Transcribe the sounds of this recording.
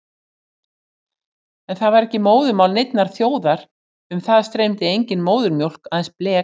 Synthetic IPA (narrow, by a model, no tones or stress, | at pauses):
ɛnθaðvaɾɛhcɪmoːwðʏmawlnejt̪naɾ̥θjoːwðaɾ̥ | ʏmθaðst̪ɾejmt̪ɪejɲcɪnmoːwðʏɾmjowl̥kaðɛnsplɛː